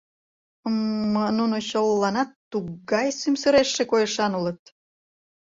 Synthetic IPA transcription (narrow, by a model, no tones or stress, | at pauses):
əmːənunot͡ɕolːɑnɑt̪ːuɣɑjsymsəɾeʃːekojəʃɑnulət̪̚